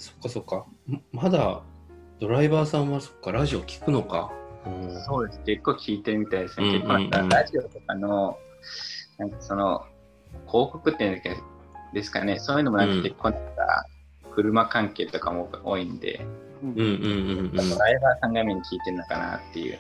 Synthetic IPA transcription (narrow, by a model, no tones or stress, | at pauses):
so̥kːaso̞kːammad̪a | d̪̥o̞ɾaibaːsãɰ̃βaso̥kːaɾaʑio̞kʲi̥kɯ̟no̞ka̰ɯ̃so̞ːd̪e̞sɨ̥ke̞kːo̞ːkʲʰiːt̪e̞ɾɯ̟mʲit̪aid̪e̞sɨnkekːonat̪aɾaʑio̞t̪o̞kano̞ | nãŋkaso̞no̞ | kʰo̞ːko̞kɯ̟t̪ːe̟neske | d̪̥e̞sɨ̥ka̰nesoːjɯ̟no̞mo̞nãŋkakʲe̞kːo̞ːnak̪a̰ | kɯ̟ɾɯ̟makãŋke̞ːt̪o̞kamoo̞ːĩnd̪e̞̰ | ɯ̟̃ɴɯ̃ɴ̃ad̪o̞ɾaibaːsãŋɡameɲ̟ikʲiːt̪e̞ɾɯ̟no̞ka̰na̰t̪ːe̞jɯ̰